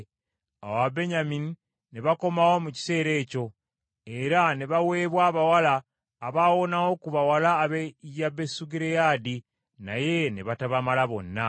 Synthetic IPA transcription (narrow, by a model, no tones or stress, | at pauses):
a̰wabe̞ɲamini | neβako̞mawo̞muci̥se̞ːɾe̞ːco̞ | e̞ɾane̞βawe̞ːβwaːβawalaː | βaːwo̞nawo̞kuβawalaːβejabe̞suɡiɾejaːdi | naje̞nḛβataβamalaβo̞nːa